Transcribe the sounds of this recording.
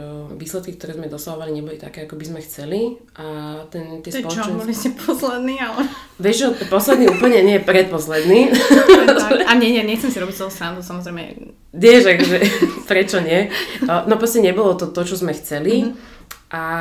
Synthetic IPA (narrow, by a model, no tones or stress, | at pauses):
ʋiːslɛt̪̚kikt̪ɔɾɛːzmɛd̪ɔsaɦɔʋaliɲɛbɔlit̪akɛːakɔbizmɛxt͡sɛli | ʔat̪ɛnt̪ɪɛssɔlɔt͡ʃbliscɛpʰɔslɛd̪nialɛ | ʋɛʒʒɔpɔslɛd̪niuːpl̩ɲɛɲɛjɛpɾɛt̪̚pɔslɛd̪ni | aɲɛɲɛɲɛxt͡sɛmsiɾɔbict̪ɔɦɔsɾand̪usamɔzɾɛjmɛ̰ | d̪ɪɛʒakɔʒɛpɾɛt͡ʃɔɲɪɛnɔpɾɔscɛɲɛbɔlɔt̪ɔt̪ɔt͡ʃɔzmɛxt͡sɛli | ʔa